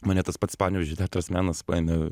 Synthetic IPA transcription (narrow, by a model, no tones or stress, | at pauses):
mɐnʲɛt̪ɐspɐt̪spɑːnʲʋʲɛʒʲd͡ʒʲɪt̪ʲæːt̪ɾɐsmʲæːnɐsɐnʲɛ